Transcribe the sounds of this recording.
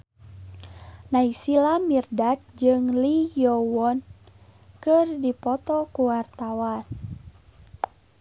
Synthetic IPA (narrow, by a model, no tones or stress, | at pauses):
naisilamirdat̪̚d͡ʒɨŋlijɔwɔn | kɨrdipɔt̪ɔkuwart̪awan